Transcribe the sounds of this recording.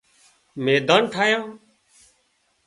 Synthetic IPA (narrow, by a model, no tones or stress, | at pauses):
meːd̪aːnʈʰaːjãː